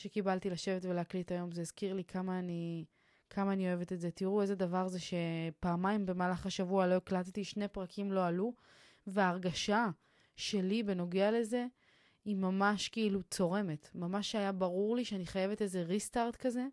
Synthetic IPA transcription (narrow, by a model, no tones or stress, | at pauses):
ʃekibaltilaʃe̞vetveleaklitajo̞mzeizkiʁlikʰamaːni | kʰamaːnio̞e̞vetetzetiʁue̞zedavaʁzeʃe̞paːmajmbe̞maːlaχaʃavualo̞eklattiʃne̞pʁakʰimlo̞alu | veaːʁɡaʃa | ʃe̞libe̞no̞ɡeale̞ze̞ | imamaʃkeilut͡so̞ʁe̞me̞tmamaʃajabaʁuʁliʃeaniχaje̞ve̞te̞ze̞ʁistaʁtkaze̞